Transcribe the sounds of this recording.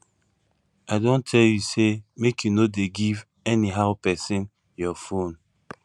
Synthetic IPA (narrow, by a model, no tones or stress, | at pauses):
aɪdõntʰɛljusemekʰjunodeɡiv | ɛniɦaʊpɛsĩn | jɔfõn